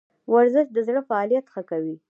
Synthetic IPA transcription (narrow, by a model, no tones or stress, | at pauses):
waɾzɪʃd̪əzɽəfaɑlijat̪xəkawi